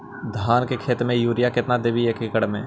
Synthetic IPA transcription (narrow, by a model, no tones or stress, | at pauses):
d̪ʱaːnkekʰeːt̪mẽjuːɾɪjakɪt̪nad̪eʋiekɪkəɽmḛ̃ː